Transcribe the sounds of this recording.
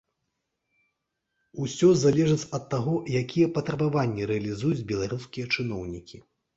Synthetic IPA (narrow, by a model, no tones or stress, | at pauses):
usʲɔzalʲɛʐɨt͡sʲɐt̪ːaɣɔjakʲijɛpɐt̪ɾɐbavanʲːiɾɛɐlʲizujud͡zʲbʲɛlˠaɾuskʲijɐt͡ʂɨnɔwnʲikʲi